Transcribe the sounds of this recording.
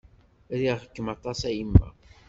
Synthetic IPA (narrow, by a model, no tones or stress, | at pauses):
ɾiʁhə̥kːəmɑt̪ˤɑsæjimːæ̰